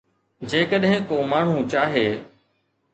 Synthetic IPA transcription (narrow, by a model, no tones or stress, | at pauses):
d͡ʑeːkəɗɦɪ̃koːmaːɳ̤ũt͡ʃaːɦeː